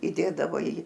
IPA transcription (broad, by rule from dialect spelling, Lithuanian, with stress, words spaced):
iːˈdʲeːdɐʋoː iː